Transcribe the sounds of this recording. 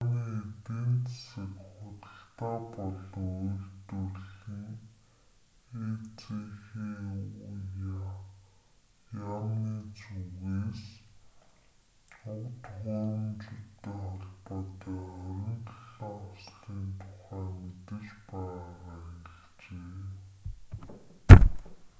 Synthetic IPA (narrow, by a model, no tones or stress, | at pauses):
niːet̪eːnt͡s̪sə̆kχʊt̪ə̆ɬt̪aːpɔɮɞ̆ŋujɮt̪urɮĭŋ | et͡sʰexeːuja | jamniːt͡suɣeːs | ʊwt̪χʊːɾə̆mt͡ɕut̪ːeːχɔɮpɔːt̪aːœɾʲɪ̆nt̪əɮiŋʊsɮiːnt̪ʰʊ̥χæːmet̪ɘ̆t͡ɕpæaʁaːeɣɘɮt͡ɕeː